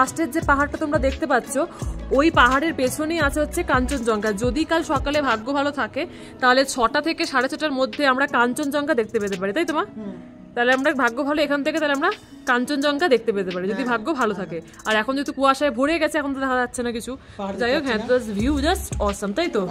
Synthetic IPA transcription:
asʈeɾd͡ʑepaɦaɾʈat̪omɾad̪ekʰt̪epatːɕʰoojpaɦaɽeɾpet͡ɕʰonejat͡ɕʰeɦotːɕʰekant͡ɕond͡ʑɔŋkaɾd͡ʑod̪ikalʃɔkalebʱaɡːobʱalot̪ʰake | t̪aɦolet͡ɕʰɔʈat̪ʰekeʃaɽet͡ɕʰɔʈaɾmod̪ʱːeamɾakant͡ɕond͡ʑɔŋkad̪ek̚ʰt̪epeɾt̪̬epaɾit̪ajt̪oma | t̪aɦoleamɾabʱaɡːobʱaloekʰant̪ʰeket̪aɦleamɾa | kant͡ɕond͡ʑɔŋkad̪ek̚ʰt̪epeɾt̪epaɾid͡ʑod̪ibʱaɡːobʱalot̪ʰake | aɾɛkʰond͡ʑot̪ukuaʃaebʱoɽeɡɛt͡ɕʰeɛkʰont̪od̪ɛkʰaatːɕʰenakit͡ɕʰu | d͡ʑajokɦɛ̃t̪asbʱiud͡ʑasʈɔsamt̪ajt̪o

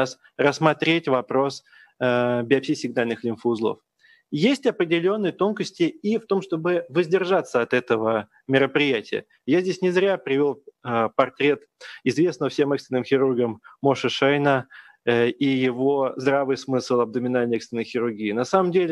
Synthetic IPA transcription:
as | rəsːmɐt̪ɾʲetʲvɐpɾo̞s | bʲɪɐpʲsʲisʲɪɡnalʲnɨxlʲɪnfzlˠo̰f | jesʲtʲɐpɾʲɪdʲɪlʲo̞nːɨjt̪o̞nkəsʲtʲɪift̪o̞mʂt̪o̞bɨvəzʲdʲɪrʐat̪sːəɐt̪ɛt̪əvə | mʲɪɾəpɾʲɪjætʲɪjə̰ | jazʲdʲesʲnʲɪzɾʲapɾʲɪvʲo̞lˠpɐrt̪ɾʲet̪ | ɪzvʲesnəəfsʲe̞mɛkst̪ʲɪnːɨmxʲɪɾurɡəmːoʂəʂajnə | ijɪvo̞zd̪ɾavɨjsmɨslˠɐb̚d̪əmʲɪnalʲnəɛkst̪vʲɪnːəjxʲɪɾʊrɡʲiːnɐsaməmdʲelʲɪ

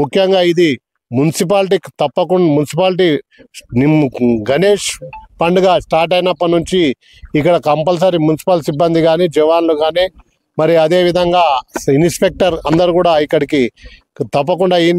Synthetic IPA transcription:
mukʰjɐŋɡaːid̪i | munisip̬aːlʈ̬ikt̪ɐpːɐkumunisipaːlʈ̬i | ɡɐneːʂpɐɳɖɡaːsʈaːɾʈ̬ɐjnɐpːɐnuɲt͡ʃiː | kːɐɽɐkɐmpɐls̬ɐɾimunisi̥pɐlsibːɐnd̪iɡaːniːd͡ʒɛʋaːnluɡaːniː | mɐɾiɐd̪e̞ːʋid̪ʱɐŋɡaːinspek̚ʈɐɾɐnd̪ɐɾuːkuːɽaːikːɐɽiki | t̪ɐpːɐkuɳɖaːin

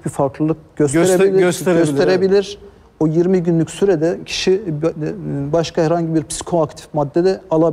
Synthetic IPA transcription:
bifaɾklˠɯlˠɯk̚ɟ̥østeɾeilʲøsøst̪ʰeɾebilʲiɾ | ojiɾmiɟynlʲycʲsyɾɛd̪ɛcʰi̥ʃi | baʃkʰahɛɾhaɲɟibiɾpsi̥kʰoakt̪ʰi̥fmad̪ːɛd̪ɛalˠab

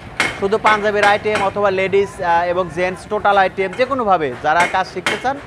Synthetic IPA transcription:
ʃud̪ʱupãnd͡ʑabeɾajʈiemɔt̪ʰobaleɖiseboŋd͡ʑensʈoʈalajʈiemd͡ʑekonobʱabed͡ʑaɾakad͡ʑʃik̚t̪et͡ɕʰan

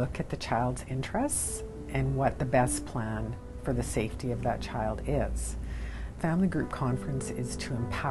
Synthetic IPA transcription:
ʊkɨt̪̚ðɨt͡ʃʰaɪlˠdz̥ɪ̃nt͡ʃɹ̥ɨsts | ɨ̃nwʌt̪̚ðɨbɛspʰl̥æ̃n | fə˞ðɨseɪftiʌvðɨ̰t̚t͡ʃʰaɪlˠdɪz̥fæ̃mliɡɹʉp̚kʰɑ̃ɱfɹɨ̃nsɪz̥tʰɨə̃mpʰa

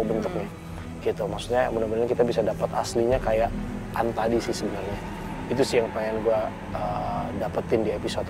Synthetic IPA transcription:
ubənt̪ʊk̚ɲa | ɡ̥it̪umaksu̥k̚ɲamunabənɲakit̪abisadapat̪asliɲakajaʔ | ant̪adisɪhsəbənarɲa | it̪usɪjaŋpaŋanɡua | ədapət̪ɪndiepisot̪

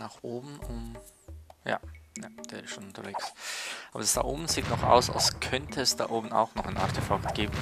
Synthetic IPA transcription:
naːχʔoːbm̩ʊm | ja̰ːjad̥eːɐɪsʃoːnʊntɐveːksʔaːbɐdasd̥a̰ːʔoːbm̩z̥iːtnɔχa̰ʊsa̰lskʰœntʰəɛsd̥a̰ːʔoːbm̩a̰ʊxnɔχaɪnʔa̰ɐtʰefaktɡ̥eːbm̩

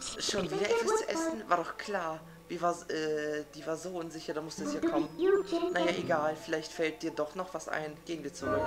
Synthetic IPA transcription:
ʃoːnviːdɐʔɛtv̥ast͡suʔɛsn̩vaːɐdɔχkʰl̥aːɐ | viːɐvaːɐzʔɛːd̥iːvaːɐzoːʔʊnzɪçɐdaːmʊstd̥uɛsjaːkʰɔmənnajaːʔeɡaːlfɪlaɪçtfɛlt̚d̥iːɐdɔχnɔχv̥asʔa̰ɪnɡ̥eːənviːɐt͡suʁʏk

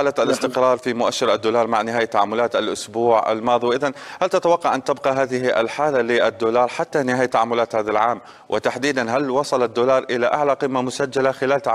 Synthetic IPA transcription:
aːlaalʔɪst̪ɪqɾˤɑːɾˤfimʊʔaʃːɪɾʔad̪ːuːlɑːɾˤmaʕnɪɦaːjat̪ːaʕamːʊlaːt̪alʔʊsbuːʕa̰lmɑːðˤiwʔɪðanhalt̪at̪awɑqːɑʕʔant̪ɪbqɑɦaːðɪhʔa̰lħaːlalɪʔad̪ːuːlɑːɾˤħat̪ːanɪhaːjat̪ːaʕamːʊlaːt̪haːðalʕaːm | wʔɪt̪aħd̪iːd̪anɦalwɑsˤɑlad̪ːuːlɑːɾˤʔɪlaʔaʕlaqɪmːamʊsad͡ʒːalaxɪlaːlt̪a

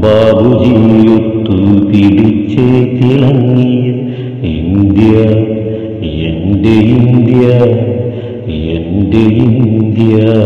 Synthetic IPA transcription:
baːbʱud͡ʒinjot̪ːupiɽit͡ɕːet̪ilɐŋːijɐ | ḭnd̪ija | jeɳɖeind̪ija | jeɳɖeinnd̪ija

